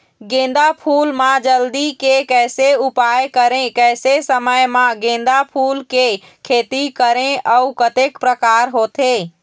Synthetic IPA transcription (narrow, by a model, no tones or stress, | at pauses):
ɡẽːn̆d̪apʰuːlmãd͡ʒəld̪ikekɛɪseupajkəɾẽkɛːsesəməjmãɡẽːn̆d̪apʰuːlke | kʰeːt̪ikəɾẽəukət̪ekpɾəkaːɾɦoːt̪ʰe